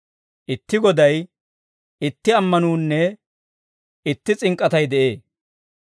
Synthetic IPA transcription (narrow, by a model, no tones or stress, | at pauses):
ʔɪt̪ːɪɡɔd̪ɐj | ɪt̪ːɪɐmːɐnuːnːɛ | ɪt̪ːɪt͡sʼɪŋkʼɐt̪ɐjd̪ɛʔeː